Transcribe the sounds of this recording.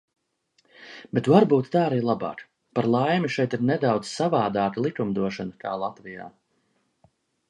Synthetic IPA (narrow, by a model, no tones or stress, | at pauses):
bet̪vaɾbuːt̪t̪aːaɾiːlˠaba̰ːk | paɾlˠajmʲiʃɛjt̪iɾnɛd̪awd̪z̥savaːd̪aːk̪lˠikumd̪uɔʃanɐk̪ʰaːlˠat̪vija̰ː